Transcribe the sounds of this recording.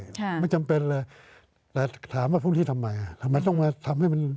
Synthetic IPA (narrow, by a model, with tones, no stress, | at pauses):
a˧˥˩t͡ɕa˧mpe˧nlɛː˧˩ | lɛː˧t̪ʰaː˩˦mwaː˧˩pʰuː˥˨t̪ʰiː˥˩t̪ʰa˧mːa˧jʔa˨˩˧ma˧nt̪ɔ˥˩ŋmaː˧t̪ʰa˧mha˥˩jma˧n